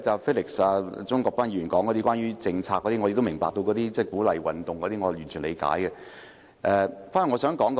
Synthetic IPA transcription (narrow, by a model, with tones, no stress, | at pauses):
t͡saː˨˩feː˥lɪ˨ksaː˧t͡sʊ˥ŋkɔː˧k̚paː˥njyː˨˩nkɔː˨˥ŋkɔ˨˧t̪iː˥kwaː˥njyː˥t͡sɪ˧ŋt͡sʰaː˧kːɔ˨˧t̪iː˥ŋɔː˨˧e˨˧t̪mɪ˨˩ŋpa̰ː˨k̚t̪o˧wkɔː˨˥t̪iː˥t͡sɛː˥˩kuː˨˥lɐ˨jwɐ˨nt̪ʊ˨ŋkɔ˨˧t̪i˥ŋɔː˨˧˨jyː˨˩nt͡ʃʰy˨˩nlḛ˨˧jka̰ː˨˥jkɛ˧ | ʔɛː˨˧faː˥n˨˩ŋɔ˨˧sœː˨˥ŋkɔː˨˥ŋkɔ˧